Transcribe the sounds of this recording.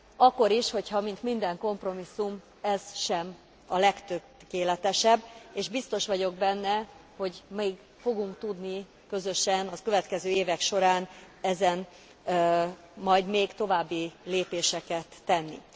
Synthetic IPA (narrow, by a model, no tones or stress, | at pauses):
ɒkːo̞ɾiʃho̞chɒmint̪mind̪ɛŋko̞mpro̞misːum | ɛz̥ʃɛm | ɒlɛkt̪ø | keːlɛt̪ɛʃɛbːeːʒbist̪o̞ʃʋɒɟo̞ɡ̚bɛnːɛho̞ɟmeːɡ | fo̞ɡuŋkt̪ud̪ni | kø̞zøʃɛnɒkø̞vɛt̪kɛzøːeːvɛkʃo̞ɾaːn | ɛzɛn | mɒjd̪meːɡt̪o̞vaːbːileːpeːʃɛkɛt̪ːɛnːḭ